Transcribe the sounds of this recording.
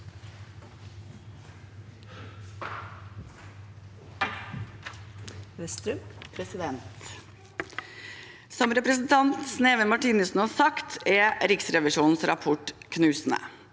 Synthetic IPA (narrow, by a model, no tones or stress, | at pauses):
ʋɛst̪ɾʉmpʰɾɛsɪd̪ɛnt̪ | sɔmɾɛpɾəsn̩t̪ʰɑnt̪sneːʋənmɑʈiːnəsn̩ɑːsɑkt̪ʰɛɾɪksɾɛʋɪʃuːnn̩sɾɑ̰pʰɔʈkʰnʉːsn̩ə̰